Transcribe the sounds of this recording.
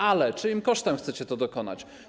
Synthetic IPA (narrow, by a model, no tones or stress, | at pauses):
alɛt͡ʂɨimkɔʂt̪ɛmxt̪sɛt͡ɕɛt̪ɔd̪ɔkɔna̰t͡ɕ